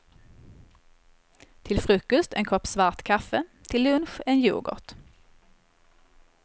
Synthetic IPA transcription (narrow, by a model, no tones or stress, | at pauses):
t̪ʰɪlfʁʉːkʊst̪ḛːnkʰɔpsʋɑːʁt̪kʰɑfət̪ʰɪlʉnʃeːnjṵːɡɔ̰ʁt̪